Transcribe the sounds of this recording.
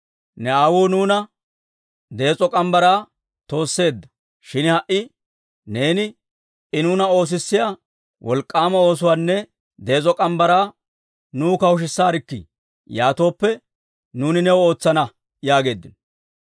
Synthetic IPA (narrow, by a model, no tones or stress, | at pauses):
nɛaːwuːnuːnɐ | d̪e̞ːt͡sʼɔkʼɐmbɐɾaː | t̪o̞ːsːe̞ːd̪ːɐ̥ | ʃɪnɪhɐʔɪ | ne̞ːnɪ | ɪnuːnɐo̞ːs̬ɪsːɪjaː | wʔɔ̰lkʼːaːmɐo̞ːs̬ʊwaːnːɛ | d̪e̞ːt͡sʼɔkʼɐmbɐɾaː | nuːkɐwʊʃ̬ɪsːaːɾɪkːɪ̰ | jaːt̪o̞ːpːɛ | nuːnɪnɛwɔo̞ːt͡sːɐnɐ | jaːɡe̞ːd̪ːɪnɔ